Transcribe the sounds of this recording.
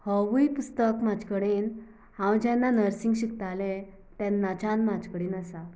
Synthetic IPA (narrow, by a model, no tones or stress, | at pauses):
həʋujpust̪əkmad͡ʑkəɽiːn | hãwd͡ʑɛ̃nːanəɾsiŋɡɕikt̪alẽ | t̪ɛnːat͡ɕanmad͡ʑkəɽiːnəsa